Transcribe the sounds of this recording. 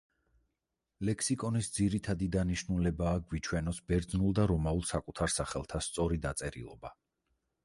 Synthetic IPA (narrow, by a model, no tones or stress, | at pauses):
lɛkʰsikʼɔnisd̪ziɾit̪ʰad̪id̪aniʃnulɛbaːɡwit͡ʃʰwɛnɔsbɛɾd̪znulˠd̪aɾɔmaulˠsakʼut̪ʰaɾsaχɛlˠt̪ʰast̪sʼɔɾid̪at̪sʼɛɾḭlˠɔba